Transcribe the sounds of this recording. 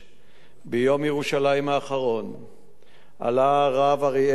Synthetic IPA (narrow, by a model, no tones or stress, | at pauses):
bejo̞mjeʁuʃalajimaːχaʁo̞n | ʔa̰laʁavaʁi